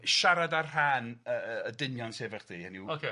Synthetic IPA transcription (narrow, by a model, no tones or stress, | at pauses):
ʃaɾadarhaːnəːdɪnjɔnsevɛχd̥iːəniwokʰe